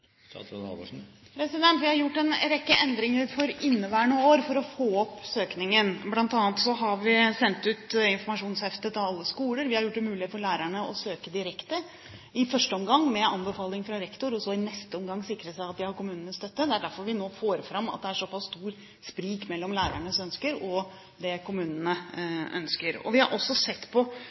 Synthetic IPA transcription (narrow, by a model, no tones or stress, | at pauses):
t̪nɑ̰ | pʰɾɛsɪd̪ɛnt̪ʋɪhɑɾjʊʈːɛnɾɛkːəʔɛnd̪ɾɪŋəɾfɔɾɪnːəʋæːɳəoːɾfɔɾɔfoːɔpːsøːknɪŋənblɑnt̪ɑːnt̪sɔɦɑɾʋɪsɛnt̪ʉːt̪ɪnfɔɾmɑʂuːnshɛft̪ət̪ɑʋɑlːəskuːləɾʋɪhɑɾjʊʈ̚ːd̪ɛmʉːlɪet̪fɔɾɭæːɾæɳəɔsøːkəd̪ɪɾɛkt̪ə | ɪfœʂʈəɔmɡɑŋːmɛɑnbəfɑːlɪŋfɾɑɾɛkt̪ʊɾɔsɔɪnɛst̪əɔmɡɑŋːsɪkɾəsæɪɑt̪̚d̪ɪhɑɾkʊmʉːnənəst̪œt̪ːəd̪ɛæɖæɾfɔɾʋɪnoːfoːɾəfɾɑmɑ̰t̪̚d̪ɛæʂɔpʰɑsːst̪uːɾ | spɾiːkmɛlːɔmlæːɾæɳəsœnskəɾɔ | d̪ɛkʊmʉːnənəʔœ̰nskəɾɔ̰ʋɪhɑ̰ɾʔɔsːɔsɛt̪ːpʰɔ